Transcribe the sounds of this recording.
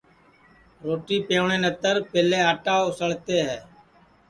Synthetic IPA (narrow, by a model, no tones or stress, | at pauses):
ɾoːʈiːpeːɳẽːnət̪əɾpɪleːaːʈaːʊsəɭt̪eːɦɛː